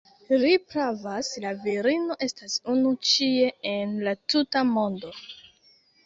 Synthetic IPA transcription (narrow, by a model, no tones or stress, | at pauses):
lipɾavaslaviɾino̞ʔe̞stasunut͡ʃie̞enlatutamo̞ndo̞